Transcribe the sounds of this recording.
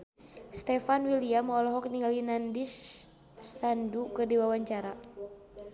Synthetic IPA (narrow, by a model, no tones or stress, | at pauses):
st̪ɛfanwiliamɔlɔɦɔk̚niŋalinandisː | andukɨrdiwawaɲt͡ʃaɾa